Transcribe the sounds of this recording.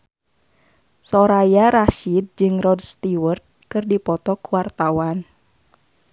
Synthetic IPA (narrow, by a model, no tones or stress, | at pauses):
sɔɾajaɾaʃid̪̚d͡ʒɨŋrɔdst̪iwərt̪̚kɨrdipɔt̪ɔkuwart̪awan